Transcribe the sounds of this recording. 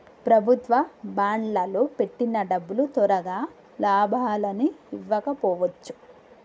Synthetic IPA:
pɾɐbʱut̪ʋɐbaːɳlɐlope̞ʈːinɐɖɐbːulut̪ɔɾɐɡaː | laːbʱaːlɐniːʋːɐkɐpɔːʋɐt͡ʃːu̥

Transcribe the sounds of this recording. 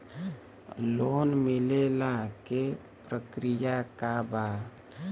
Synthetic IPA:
lonmɪlelãke | pɾəkɾijakaba

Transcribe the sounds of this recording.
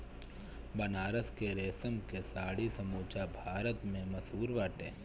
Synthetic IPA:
bɐnaːɾəskeɾeːsəmkesaːɽisɐmuːt͡ʃabʱaːɾət̪mẽmɐsuːɾʋaːʈeː

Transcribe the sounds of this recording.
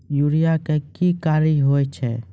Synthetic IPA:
juɽijakekikaːɾiɦoːjt͡ʃʰɛ̰

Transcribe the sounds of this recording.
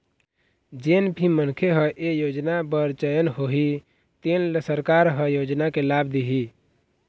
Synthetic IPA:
d͡ʒenbʱimənkʰeɦəʔejoːd͡ʒnabəɾt͡ʃəjənɦoɦi | t̪enlsəɾkaɾɦəjod͡ʒnakelabd̪iɦi

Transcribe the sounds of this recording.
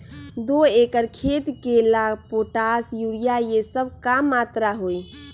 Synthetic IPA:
d̪oekəɾkʰet̪kelaɡpoʈasjuɾijajesəbʱkamːat̪ɾaɦoj

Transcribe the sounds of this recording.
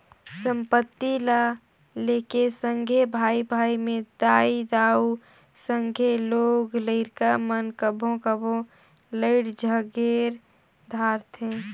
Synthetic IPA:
sə̃mpət̪ːila | leːkesəŋɡʱebʱaːibʱaːimẽd̪aːid̪aːu | səŋɡʱeloːɡləɪɾkamənkəbʱõkəbʱõ | ləɪɽd͡ʒʱəɡeɾ | d̪ʱaːɾt̪ʰɦẽ

